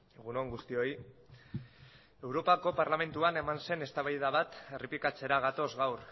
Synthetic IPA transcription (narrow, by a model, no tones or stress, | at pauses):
eɣuno̞ŋɡust̪io̞j | e̞wɾo̞pako̞paɾlame̞nt̪uane̞manse̞ne̞st̪aβajðaβat̪e̞ripikat͡se̞ɾaɣ̞at̪o̞zɣawɾ